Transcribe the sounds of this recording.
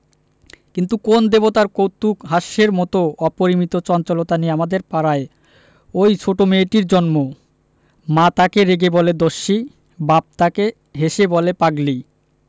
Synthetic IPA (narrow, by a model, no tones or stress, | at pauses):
kint̪ukond̪ebot̪aɾkowt̪ːukɦaʃːeɾmɔt̪oɔpoɾimit̪ot͡ɕɔnt͡ɕolot̪anieamad̪eɾpaɾae | ojt͡ɕʰoʈomeʈiɾd͡ʑɔnmo | mat̪akeɾeɡebɔled̪oʃːi | bab̚t̪ake | ɦeʃebɔlepaɡli